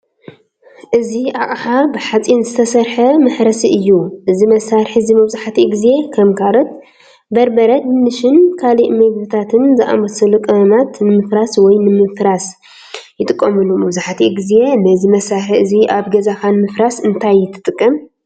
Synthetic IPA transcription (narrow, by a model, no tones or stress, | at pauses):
ʔɨziʔaʔʼħabɨħat͡sʼinzɨt̪ʰɐsɐɾħɐmɨħɾɐsiʔɨjːuʔɨzimɐsaɾħizimɐβzaħat̪ʰiɡize̞kʰɐmkʰaɾɐt̪̚ | bɐɾbɐɾɐd̪nɨʃɪnkʰaliʔmɐɡbɨt̪ʰat̪ʰɨnzɨʔa̰mɐsɨlukʼɐnat̪nɨmɨfɾaswɔjnɨmɨfɾas | jɪt̪ʼɨkʼːɐmɨlumɐβzaħat̪ʰiɡize̞nɐzimɐsaɾħiɨziʔaβɡɐzakanmɨfɾasɨnt̪ʰajːɪt̪ʰːɨ̥t̪ʼɨkʼːɐm